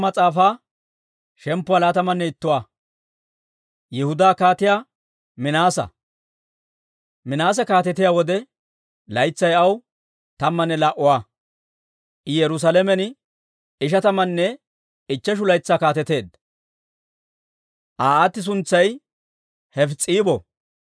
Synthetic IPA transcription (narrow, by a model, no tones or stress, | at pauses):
mɐt͡sʼaːfaː | ʃɛmpːʊalaːt̪ɐmɐnːɛɪt̪ːʊwaː | jɛhʊd̪aːkaːt̪ɪjaː | mɪnaːsɐ̰ | mɪnaːs̬ɛkaːt̪ɛt̪ɪjaːwɔd̪ɛ | lɐjt͡sːɐjɐw | t̪ɐmːɐnːɛlaʔʊwaː | ɪjɛɾʊs̬ɐlɛmɛnɪ | ɪʃɐt̪ɐmɐnːɛ | ɪt͡ʃːɛʃ̬ʊlɐjt͡sːaːkaːt̪ɛt̪e̞ːd̪ | ʔaːaːt̪ːɪs̬ʊnt͡sːɐj | hɛft͡sʼiːbɔ